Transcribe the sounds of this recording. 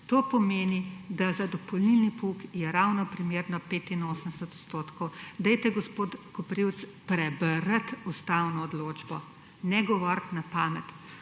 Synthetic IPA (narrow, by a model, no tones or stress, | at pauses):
t̪oːpɔmeːnid̪azad̪ɔpɔlnilnipukjɛɾawnɔpɾimeːɾnɔpeːt̪inoːsəmsɛt̪ɔt̪st̪oːt̪kɔwd̪ɛjt̪ɛɡɔspoːt̪kɔpɾiwt̪spɾɛbəɾət̪ust̪awnɔːd̪loːd͡ʒbɔ | nɛɡɔʋɔɾt̪napaːmɛt̪